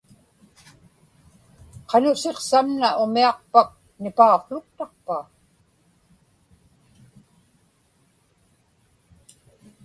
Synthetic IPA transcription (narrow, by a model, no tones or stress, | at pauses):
qɑnʊse̞qsamnaʔʊmiɑqpak̚ | nɪpaoχlʊk̚t̪ɑqpa